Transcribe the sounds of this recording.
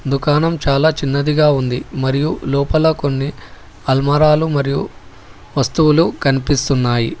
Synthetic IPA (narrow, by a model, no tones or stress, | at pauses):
d̪ukaːnɐmt͡ʃaːlaːt͡ʃinːɐd̪iɡaːund̪imɐɾijulɔːpɐlɐko̞nːi | ɐlmɐɾaːlumɐɾiju | ʋɐst̪uwulukɐnipist̪unːaːji